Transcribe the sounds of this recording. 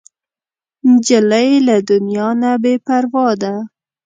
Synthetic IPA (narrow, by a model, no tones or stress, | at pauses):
nd͡ʒalajelad̪ʊnjɑnabepaɾwɑd̪a